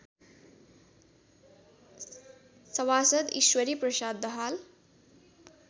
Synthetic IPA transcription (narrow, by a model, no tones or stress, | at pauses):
sʌwasʌd̪iʃwʌɾiprʌʃad̪ːʌɦal